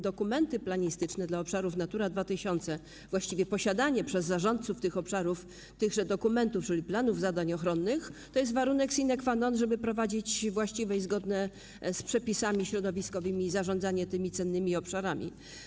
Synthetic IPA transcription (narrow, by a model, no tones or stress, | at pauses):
d̪ɔkumɛnt̪ɘplaɲist̪ɘt͡ʂnɛd̪laɔpʂaɾufn̪at̪uɾad̪vat̪ɘɕɔnt̪sɛ | vwaɕt͡ɕivʲjɛpɔɕad̪aɲɛpʂɛzːaʐɔnt̪̚suft̪ɘxɔpʂaɾuf | t̪ɘɣʐɛd̪ɔkumɛnt̪uft͡ʂɘlʲiplanuvzad̪aɲɔxɾɔnːɘxt̪ɔjɛs̬t̪vaɾunɛksʲinɛkfanɔnʐɛbɘpɾɔvad͡ʑit͡ɕvwaɕt͡ɕivɛjzɡɔd̪nɛ | spʂɛpʲisamʲiɕɾɔd̪ɔvʲiskɔvɘmʲiːzaʐɔnd̪zaɲɛt̪ɘmʲit̪sɛnːɘmʲiɔpʂaɾamʲḭ